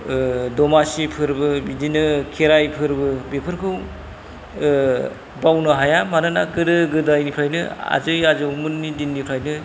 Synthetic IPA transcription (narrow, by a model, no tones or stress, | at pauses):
dɔmasipʰɯɾbɯbidinɯkʰeɾajpʰɯɾbɯbepʰɯɾkʰɯw | bawnɯɦajamanɯnaɡɯɾɯɡɯdajnipʰɾajnɯa̰zɯjazɯwmɯnːidinːipʰɾajnɯ